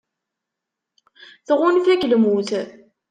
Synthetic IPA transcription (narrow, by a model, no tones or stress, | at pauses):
θʁʊnfæklmuθ